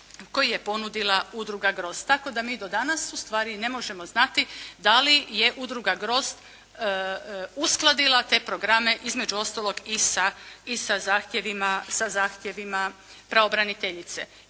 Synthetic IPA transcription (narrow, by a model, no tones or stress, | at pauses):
ko̞jije̞po̞nud̪ilˠaud̪ɾuɡaɡɾo̞st̪t̪ːako̞d̪amiːd̪o̞d̪anasust̪ʋaːɾine̞mo̞ʒe̞mo̞znat̪id̪alije̞ʔud̪ɾuɡaɡɾo̞st̪ | usklˠad̪ilˠat̪e̞ːpɾo̞ɡɾame̞ʔizme̞d͡ʒuo̞st̪alˠo̞ɡisaisazaːxt̪je̞ʋimasazaːxt̪je̞ʋima | pɾaobɾanit̪eʎit̪se